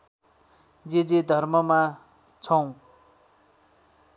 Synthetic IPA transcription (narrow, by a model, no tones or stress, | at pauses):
d͡zed͡zed̪ʱʌrmʌma | t͡sʰʌw̃